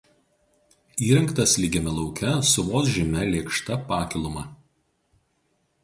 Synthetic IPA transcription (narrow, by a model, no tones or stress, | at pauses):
iːɾʲɛŋkt̪ɐslʲiɡʲɛmʲɛlˠɒʊkʲɛsʊʋoːs̬ʒʲɪmʲɛlʲeːkʃt̪ɐpɑːkʲɪlˠʊmɑ